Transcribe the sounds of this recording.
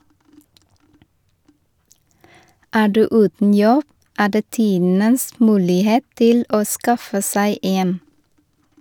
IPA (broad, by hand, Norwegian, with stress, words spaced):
ˈæː ˈɖʉː ˈʉːtn̩ ˈjɔb ˈæː ˈdeː ˈtiːdn̩əs ˈmʉːlɪˌheːt ˈtɪl ˈoː ˈskɑfə ˈsæɪ ˈeːn